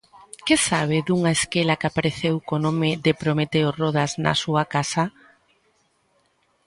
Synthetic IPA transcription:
kesaβ̞ɪðuŋaeskelakapaɾeθewkonomɪðepɾomet̪eoroðaznɐ̰suakasɐ

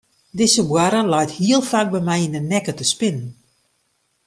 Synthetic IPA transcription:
dɪsəbwaɾəlajthiəlˠfaːk̚bɛjmɛjinənɛkətəspɪnən

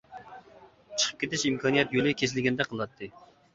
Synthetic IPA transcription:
t͡ʃʰə̥χʰə̥p̚kʲet̪ɪʃimkʰɑnijɛt̪jølɪkʲʰes̬ɪlɪɡʲɛnd̪ɛqʰəlˠɑt̪ʰːɨ

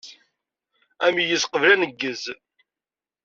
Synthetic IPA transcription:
æmijəsqəvlænəɡːəz

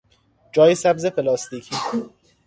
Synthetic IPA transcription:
d͡ʒɒːjesæbzepʰelɒːst̪ʰiːcʰiː

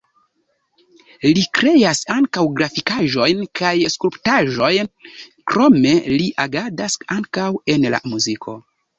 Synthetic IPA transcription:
likɾe̞jasaŋkawɡɾafikaʒo̞jnkʰajskulptaʒo̞jnkɾo̞me̞liʔaɡadasaŋkawe̞nla̰muzikʰo̞̰

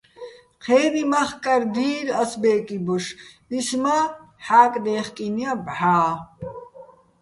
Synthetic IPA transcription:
qʰɛːnimaχkʼaɾd̪iːɾasbɛːkʼibɔʃ | isma | ħaːkʼd̪ɛːχkʼiniabħaː

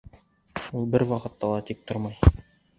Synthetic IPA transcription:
ulˠbɘɾwɑqɤ̆t̪ːɑlˠɑt̪ik̚t̪oɾmɑj

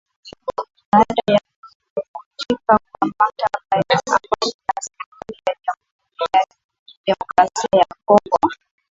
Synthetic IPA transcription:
ɓaaɗaja | kutikakuamataɓajaa̰maninashuɾijaʄamhuɾija | d͡ʒɛmɔkɾasiajakɔŋɡɔ

